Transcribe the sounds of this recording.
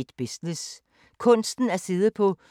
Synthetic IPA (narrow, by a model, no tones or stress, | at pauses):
d̥b̥isnis | kʰɔ̽n̰sd̥n̩æɐse̝ðˠəpʰɒ̽